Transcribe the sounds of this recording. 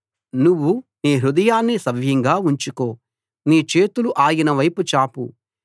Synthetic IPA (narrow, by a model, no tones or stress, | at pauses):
nuʋːuniːɦɾud̪ɐjaːnːisɐʋjɐŋɡaːuɲt͡ʃuko̞ː | niːt͡ʃe̞ːt̪uluʔaːjinɐʋɐjput͡ʃaːpṵ